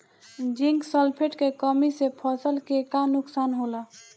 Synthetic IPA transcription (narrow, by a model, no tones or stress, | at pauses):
d͡ʒiŋɡsəlpʰeʈkekəmisepʰəsəlkekanʊksanɦola